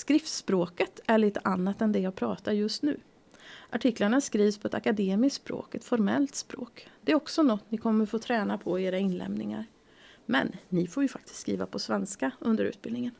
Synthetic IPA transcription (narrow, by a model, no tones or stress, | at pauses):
skɾɪft̪spɾoːkət̪ʰæɭiːt̪əʔanːat̪ɛnd̪ɛjaːɡpʰɾɑ̰ːt̪aɾjɵst̪nʉ̟̰ː | ʔaʈʰɪklaɳaskɾiːvspʰɔɛt̪ʰakad̪eːmɪsspɾo̰ːkɛt̪fɔɾmɛ̰lt̪spɾo̰ːkd̪ɛːɾɔksɔnɔt̪ːnɪkʰɔmːəɾfoːt̪ʰɾɛːnapʰɔeːɾaɪnlɛ̰mnɪ̰ŋa̰ɾ | mɛ̰nːɪfoːjɵfak̚t̪ɪ̥st̪skɾḭːva̰pʰɔsvɛnskaɵnd̪əɾʉ̟ːt̪̚bɪlnɪŋən